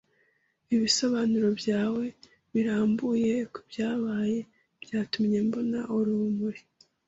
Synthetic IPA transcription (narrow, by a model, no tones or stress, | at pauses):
iβiso̞βanuɾo̞bjaːwe̞ | βiɾaːmbuje̞kubjaːβaːje̞ | b̥jaːtumɲe̞mbo̞naʔoɾumuɾi